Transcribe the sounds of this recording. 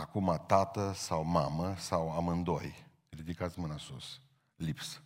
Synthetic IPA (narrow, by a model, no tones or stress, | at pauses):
akumat̪at̪əsawmaməsawamɨnd̪oj | rid̪ikat̪smɨnasṵs | lips